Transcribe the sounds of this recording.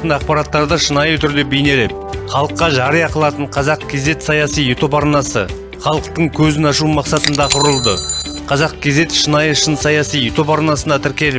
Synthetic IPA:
ənɑq̚pɑɾɑt̪ːɑɾd̪əʃənɑjət̪ʰʏɾd̪e̞bejne̞le̞p̚χɑlˠəqːɑʒɑɾəjɑqəlˠɑt̪əɴqʰɑzɑq̚kʲʰe̞ze̞t̪sɑjɑsijet̪ʰo̞pɑɾnɑsə̰ | χɑlˠəqt̪əɴkʲʰɵzɪnɑʃ̬umɑqsɑt̪ənd̪ɑqʰʊɾəlˠd̪ə | qʰɑzɑq̚kʲʰe̞ze̞t̪ʃənɑjəʃənsɑjɑsijet̪o̞pɑɾnɑsənd̪ɑt̪ʰɪɾkʲe̞lɪp

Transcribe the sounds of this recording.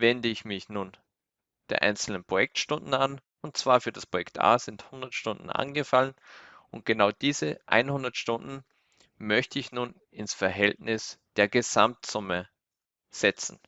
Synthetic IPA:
vɛndəɪçmɪçnuːn | d̥eːɐʔa̰ɪnt͡sl̩nənpʁ̥ojɛk̚tʃtʊndn̩an | ʊnt̚t͡sv̥aːɐfyːɐdaspʁ̥ojɛktʔa̰ːz̥ɪnthʊndɐtʃtʊndn̩ʔa̰nɡəfalənʔʊnt̚ɡ̥ənaʊd̥iːzəʔa̰ɪnhʊndɐtʃtʊndn̩ | mœçtəɪçnuːn | ɪnsfɛɐɦɛltnɪsd̥eːɐɡəzamtz̥ʊmə | z̥ɛt͡sn̩

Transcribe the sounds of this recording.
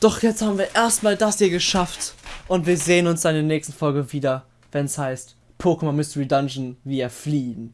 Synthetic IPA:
d̥ɔχjɛt͡sthaːbm̩viːɐʔeːɐstmaːldashiːɐɡəʃaftʔʊntv̥iːɐzeːənʊnsd̥anɪndeːɐnɛːçstn̩fɔlɡəviːdɐ | vɛnshaɪst | pʰoːkəmamʏstuɹidand͡ʒn̩viːeːɐfliːən

